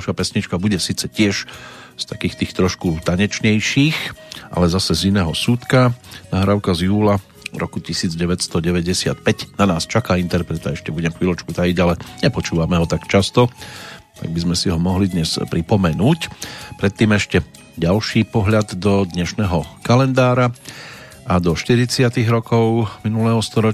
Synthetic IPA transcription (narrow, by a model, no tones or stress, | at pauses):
lʃapɛsɲit͡ʃkabuɟɛsiːt͡sɛcɪɛʃ | st̪akiːxt̪iːxt̪ɾɔʃkut̪aɲɛt͡ʃɲɛjʃiːxʔa̰lɛzasɛzinɛːɦɔsut̪kanaɦɾaʊkazjuːla | ɾɔ̰kucisiːd͡zɟɛʋɛst̪ɔɟɛʋɛɟɛsɪa̰t̪̚pɛɟnanaːst͡ʃakaːint̪ɛɾpɾɛt̪aɛʃcɛbuɟɛmkʋilɔt͡ʃkut̪ajiɟalɛɲɛpɔt͡ʃuːʋamɛɦɔt̪akt͡ʃast̪ɔt̪a̰ɡ̚bizmɛsiɦɔmɔɦlid̪ɲɛspɾipɔmɛnuːcpɾɛt̪ːiːmɛʃcɛ | ɟalʃiːpɔɦʎad̪ːɔd̪ɲɛʃnɛːɦɔkalɛnd̪aːɾa | ad̪ɔʃt̪iɾit͡sɪat̪iɣɾɔkɔʊminulɛːɦɔst̪ɔɾɔ